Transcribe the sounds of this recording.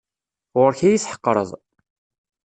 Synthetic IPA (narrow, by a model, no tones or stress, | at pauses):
ʁʊɾçæjiθħə̥qːɾˤə̰ðˤ